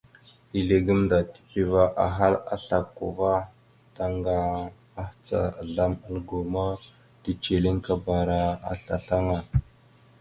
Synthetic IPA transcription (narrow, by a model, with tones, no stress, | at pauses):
i˨ɮe˨ɡə˦mda˨ti̥˨pi˨va˦ʔa˨ɦa˦la̰˦ɬa˨kːṵ˨va˦ | ta˦ŋɡa˨ | a˦ht͡sa̰˨ɮa˦ma˦lɡo˨ma˦ | ti˦t͡ʃe˨li˦ŋka˦ba˨ɾa˦a̰˦ɬa˨ɬa˦ŋa˨